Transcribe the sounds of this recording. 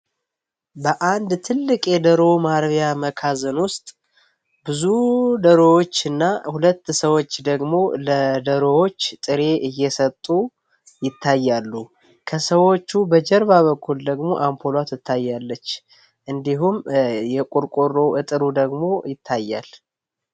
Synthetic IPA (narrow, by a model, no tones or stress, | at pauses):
bəʔand̪t̪ʰɨlːɨkʼjɛd̪əɾo̞maɾβjaməkʰazɨnwʊst̪ʼ | bɨzud̪əɾowot͡ʃːɨnːahulət̪ːsəwot͡ʃːd̪əɡmo̞ləd̪əɾo̞wo̞t͡ʃːt̪ʼɨɾe̞ʔɨjːɛsət̪ʼːu | jɪt̪ʰːajːalːu | kʰəsəwo̞t͡ʃːubəd͡ʒɛɾβaβəkːuld̪əɡmo̞ʔampʰolat̪ʰɨt̪ʰːajːalːət͡ʃː | ʔɨnd̪iɦumjɛkʼuɾkʼurːo̞ʔɨt̪ʼɨɾud̪əɡmo̞jɪt̪ʰːajːa̰l